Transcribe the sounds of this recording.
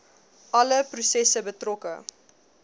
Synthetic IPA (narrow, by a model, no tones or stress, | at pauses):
ʔɐləprusɛsəbətrɔkə